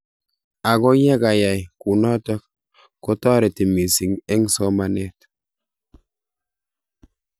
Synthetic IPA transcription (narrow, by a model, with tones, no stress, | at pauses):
a˨ɡɔ˦jɛ˦ɡa˨ja˨jku˨nɔ˦tɔ˦k̚ | ko˦tɔ˦ɾe˨ti˨mi˨si˨ŋɛ˦ŋsɔ˦ma˦ne˦˨t